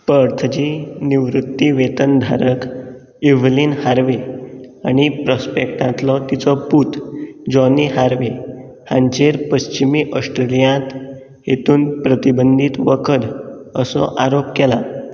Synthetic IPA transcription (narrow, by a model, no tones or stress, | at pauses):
pəɾt̪ʰəd͡ʑiniʋɾut̪ːiʋet̪ənd̪ʱa̰ɾək | iʋliːnhaɾʋeaɽ̃ipɾəspekʈãt̪lɔt̪it͡sɔput̪ʰd͡ʑɔniɦaɾʋe | hãɲt͡ɕeɾpəɕt͡ɕimiːʔəsʈɾelijãt̪ | ɦet̪uːnpɾət̪ibənd̪ʱit̪ʋəkʰəd̪əsɔ̰ʔaɾopkɛla